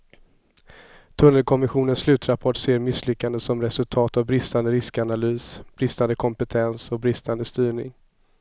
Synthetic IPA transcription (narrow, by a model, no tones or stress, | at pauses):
t̪ʰɵnːəlkʰɔmɪɧuːnənslʉ̟ːt̪ɾapʰɔʈseːɾmɪslʏkːand̪əsɔmɾɛsɵlt̪ʰɑːt̪avbɾɪst̪and̪əɾɪskanalyːsb̥ɾɪst̪and̪əkʰɔmpɛt̪ʰɛnsɔbɾɪst̪and̪əst̪yːɳɪ̰ŋ